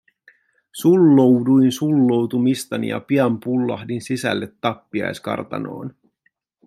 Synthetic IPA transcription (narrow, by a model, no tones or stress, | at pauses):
sulːowdujnsulːo̞wt̪umist̪ɑnḭjɑ̰piɑmpulːɑ̰hdinsisæ̰lːe̞t̪ːɑpːiɑ̰jskɑ̰rt̪ɑ̰no̞̰ːn